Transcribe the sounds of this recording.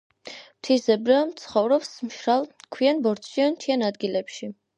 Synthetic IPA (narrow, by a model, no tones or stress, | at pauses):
mt̪ʰizɛbɾamt̪sʰχɔvɾɔpsmʃɾalˠkʰwianbɔɾt̪ʃiant͡ʃʰianad̪ɡilɛpʃi